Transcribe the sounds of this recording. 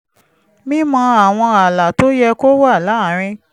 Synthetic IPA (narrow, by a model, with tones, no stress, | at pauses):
mĩ˦mɔ̃˧˦a˨w̃ɔ̃˧a˨la˨to˦jɛ˧ko˦wa˦˨la˨˦˨ɾ̃ĩ˧